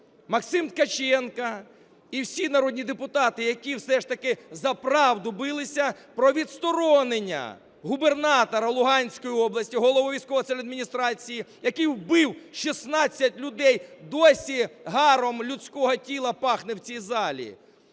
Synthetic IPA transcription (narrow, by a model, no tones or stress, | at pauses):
mɐksɪmt̪kɐt͡ʃɛnkɐ | iwsʲinɐɾɔd̪ʲnʲid̪epʊt̪ɑt̪ɪjɐkʲiwsɛʂt̪ɐkɪzɐpɾɑwd̪ʊbɪlˠɪsʲɐ | pɾɔʋʲit̪st̪ɔɾɔnenʲːɐ̰ | ɦubernɑt̪ɔɾɐlˠʊɦɑnʲsʲkɔjiɔblˠɐsʲtʲiɦɔlˠɔʋɔʋʲijsʲkɔʋɔt̪ɛlʲɐd̪mʲinʲist̪ɾɑt͡sʲijijɐkɪjwbɪwʃisnɑt͡sʲːɐtʲlʲʊd̪ɛjd̪ɔsʲiɦɑɾɔmlʲʊt͡sʲkɔɦɔtʲilˠɐpɑxnɪwt͡sʲijzɑlʲḭ